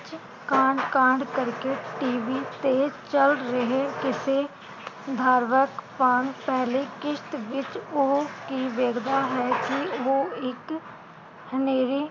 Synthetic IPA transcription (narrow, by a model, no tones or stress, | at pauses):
t͡ʃ | kãːɳɖkãːɳɖkəɾkeʈʈiːʋit̪et͡ʃəlɾɐɦekɪse | d̪ʱaːɾʋəkpaːnpɛɦlekɪʃt̪ʋɪt͡ʃokiʋeɡd̪aɦɛkioːɪk | həneːɾi